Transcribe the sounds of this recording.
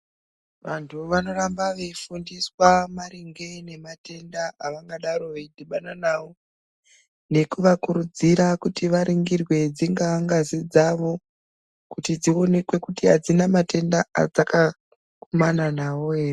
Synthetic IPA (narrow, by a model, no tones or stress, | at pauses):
ʋantʰuʋano̞rambaʋeifundiswamaɾiŋɡe̞ne̞mate̞ndaːʋaŋɡaɗaɾo̞ʋeidʱiɓananaːʋo̞ | ne̞kuʋakuɾud͡ziɾakutiʋaɾiŋɡirwe̞d͡ziŋɡaaŋɡazid͡zaʋo̞ | kutid͡zio̞ne̞kwe̞kutiɦad͡zinamate̞ndaa̰d͡zaka | kumananaʋo̞eːre